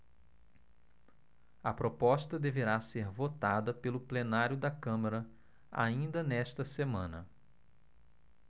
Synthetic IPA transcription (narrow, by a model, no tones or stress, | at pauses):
ɐpɾopɔst̪ɐd̪eveɾaseɾvot̪ad̪ɐpelʊplenaɾjʊd̪ɐkɐ̃mɐɾɐ | a̰ĩnd̪ɐnɛʃt̪ɐsemɐ̃nɐ̰